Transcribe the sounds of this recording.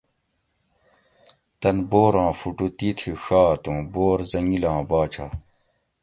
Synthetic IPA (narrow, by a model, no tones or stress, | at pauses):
t̪ɐnboːɾãːfuʈut̪it̪ʰiʂaːt̪ũːboːɾzɐŋɡilãːbaːt͡ɕʰaː